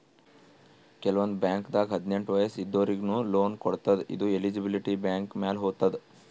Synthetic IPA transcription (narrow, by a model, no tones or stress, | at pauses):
kɛlɐʋɐnd̪ubjaːŋkd̪aːɡɦɐd̪ne̞ɳʈʋɐjɐsid̪ːoːɾiɡnuloːnkɔɽt̪ɐd̪ḭd̪uelid͡ʒibiliʈibjaːŋkmeːlɦoːt̪ːɐd̪